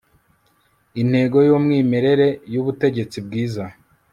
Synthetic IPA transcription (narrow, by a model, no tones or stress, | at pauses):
in̥he̞ːɡo̞jomŋiːme̞ɾe̞ɾe̞juβute̞ɟe̞t͡sib̚ɡiːza